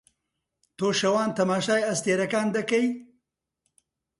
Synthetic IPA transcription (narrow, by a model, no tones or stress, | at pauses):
t̪oːʃɐwɑːnt̪ɐmɑːʃɑːjast̪eɾɐkaːnd̪ɐkaj